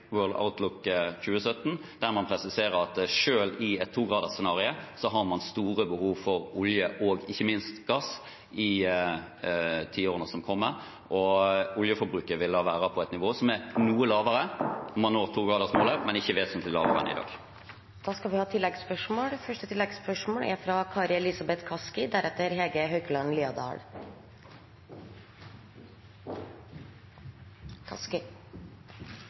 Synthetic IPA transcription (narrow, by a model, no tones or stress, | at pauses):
wøːld̪a̰ʊt̪lʊkːçʉːəsœt̪ːn̩ | d̪̥æɾmɑnpʰɾɛsɪseːʁəɾɑt̪ʂøːlɪɛt̪t̪ʰːuːɡʁɑːd̪əʁsɛnɑːʁɪəsɔɦɑʁmɑnst̪uːɾəbəhuːʋfɔɾʊljəʔɔɡɪçːəmɪnst̪ɡ̥ɑs | ɪ | t̪ʰiːoːʁənəsɔmkʰɔmːəɾ | ʔɔʊljəfɔɾbɾʉːkəɾʋɪlɑʋæːɾɑpʰɔæɛt̪nɪʋoːsɔmæɾnuːəlɑːʋəɾənɔmɑnːoːʁt̪ʰuːɡɑːd̪əʁsmoːləʁmɛnɪçːəʋeːsɔmt̪llɑ̰ːʋə̰ʁə̰nɪ̰d̪ɑ̰ːɡ | d̪̥ɑːskɑlʋɪhɑːt̪ʰɪlːɛɡspœʂmoːɽfœʂʈət̪ʰɪlːɛɡspœʂmoːlæ̰ɾfɾɑkʰɑːɾɛlɪsɑbɛt̪kʰɑskɪd̪æɾɛt̪ːəɾɦɛɡəɦœʏɡlɑɳnliːɑd̪ɑ̰ːɭ | kʰɑ̰skɪ